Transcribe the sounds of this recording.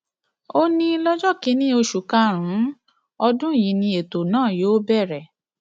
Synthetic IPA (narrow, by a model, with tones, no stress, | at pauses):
o˦nĩ˧˦lɔ˦d͡ʒɔ˦˨ki˨˦nĩ˦o˧ʃu˨ka˧ɾ̃ũ˨˦ | ɔ˧dũ˦˨ji˨˦nĩ˧e˨to˨nãː˦˨joː˨˦bɛ˦˨ɾɛ˨